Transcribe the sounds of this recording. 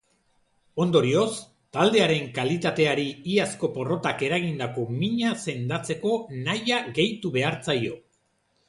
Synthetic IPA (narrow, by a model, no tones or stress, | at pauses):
o̞nd̪o̞ɾio̞s | t̪ald̪e̞aɾe̞ŋkalit̪at̪e̞aɾiiasko̞po̞ro̞t̪ake̞ɾaɣind̪ako̞miɲase̞nd̪at͡se̞ko̞najaɣe̞jt̪uβe̞aɾt͡sajo̞